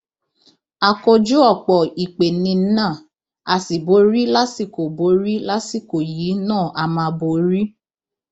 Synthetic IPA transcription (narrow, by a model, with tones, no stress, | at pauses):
a˨ko˧d͡ʒu˦ɔ˦˨k͡pɔ˨i˨k͡pe˨nĩ˧˦nã˦˨ | a˧si˨bo˨˦ɾi˦la˦si˦˨ko˨bo˨˦ɾi˦la˦si˦˨ko˨jiː˨˦nãː˦˨ʔa˧mã˧bo˨ɾi˦